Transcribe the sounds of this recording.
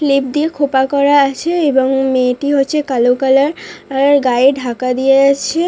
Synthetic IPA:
flip̚d̪iekʰopakɔɾaat͡ɕʰeeboŋmeʈiɦot̪ːɕʰekalokalaɾɾɡaeɖʱakad̪ijeat͡ɕʰe

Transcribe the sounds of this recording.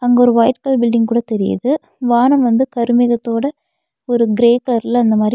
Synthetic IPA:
ɐŋɡɐɔɾɯʋɐːjʈkɐlbɪlɖɪŋɡkuːɽɐt̪ɛɾɪjɐ̰ðɯ | ʋaːnɐmʋɐnd̪ɯkɐɾɯmɪɣɐt̪ːoːɽɐ | ɔɾɯɡɪɾeːklɐɾɪlɐnd̪ɐmaːd̪ɾ

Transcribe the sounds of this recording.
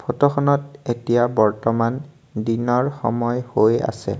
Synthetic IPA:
pʰɔtɔxɔnɔtetijabɔɹtɔman | dinɔɹxɔ̰mɔjhoja̰sɛ̰

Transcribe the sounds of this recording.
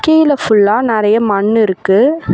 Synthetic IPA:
kːejɪlɐfʊɭːaːnɪɾɐjɐmɐɳːɪɾɯkːɯ

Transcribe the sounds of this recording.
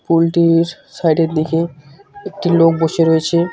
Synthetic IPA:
pulʈiɾ | sajɖeɾd̪ikeek̚ʈilok̚boʃeɾoet͡ɕʰe

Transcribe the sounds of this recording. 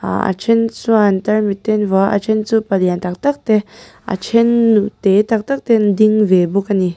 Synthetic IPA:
a̰a̰t͡ʃʰent͡suant̪ɐɾmit̪ːenvɔʔɐ̰t͡ʃʰent͡supɐd̪jant̪ɐk̚t̪ɐk̚t̪e | a̰t͡ʃʰenːut̪et̪ɐk̚t̪ɐk̚t̪end̪iŋvebukani

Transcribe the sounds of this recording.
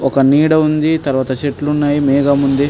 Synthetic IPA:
ɔkɐniːɽɐund̪it̪ɐɾʋaːt̪ɐt͡ʃeʈlunːaːjimɛːɡamund̪eː

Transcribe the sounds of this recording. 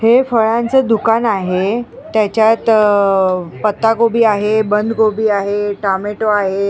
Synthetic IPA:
hefəɭant͡səd̪ukanaɦe | t̪jat͡ɕjat̪ | pət̪ːaɡobiːaɦebənd̪ʱɡobiːaɦeʈameʈoaɦe

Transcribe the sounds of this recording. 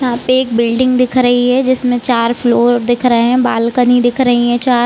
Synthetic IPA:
jɐɦãːpeeːk̚bɪlɖɪ̃ŋɡd̪ɪkʰɾɐɦiɦɛd͡ʒɪsmẽt͡ʃaːɾfloːɾd̪ɪkʰɾɐɦeɦɛ̃baːlkənid̪ɪkʰɾɐɦiɦɛ̃t͡ʃaːɾ

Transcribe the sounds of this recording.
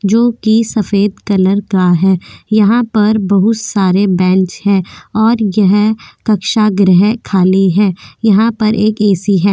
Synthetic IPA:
d͡ʒoːkisɐfeːd̪kɐləɾkaɦɛːjɐɦãpɐɾbɐɦʊt̪saːɾebɛ̃ːnt͡ʃhɛ̃ːɔːɾjɐɦkɐkʃaɡɾɛɦkʰaːliɦɛːjɐɦãpɐɾʔeːkeːsiɦɛː

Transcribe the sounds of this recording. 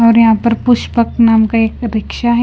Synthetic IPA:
ɔːɾjɐɦãpɐɾpʊʃpək̚naːmkaeːkɾɪkʃaɦɛ

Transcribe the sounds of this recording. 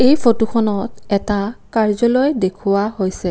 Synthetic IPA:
ejpʰotuxʰɔnɔtɛtakaɹzɔlojdekʰʊwahojsɛ

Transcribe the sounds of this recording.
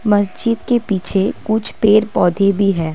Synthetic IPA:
mɐs̬d͡ʒɪd̪kepiːt͡ʃʰekʊt͡ʃʰpeːɾpɔːd̪ʱebʱiɦɛː

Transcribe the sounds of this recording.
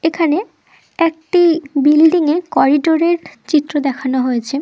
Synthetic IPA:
ekʰane | ɛk̚ʈibilɖiŋekɔɾiɖoɾeɾt͡ɕit̪ːɾod̪ɛkʰanoɦojet͡ɕʰe

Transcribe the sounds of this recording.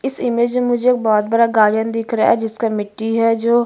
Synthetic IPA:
ɪsɪmeːd͡ʒmemʊd͡ʒʱeekbɔːt̪̚bəɽaɡaːɽijənd̪ɪkʰɾɐa̰ɛd͡ʒɪskamɪʈːiɦɛːd͡ʒoː

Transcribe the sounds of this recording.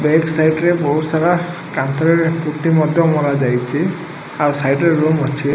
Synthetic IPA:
beksajʈɾɛbɔɦusaɾa | kant̪ɔɾɛɹpuʈːimɔd̪ʱjɔmɔlad͡ʒajt͡ʃʰi | aɹusajʈeɹumat͡ʃʰi

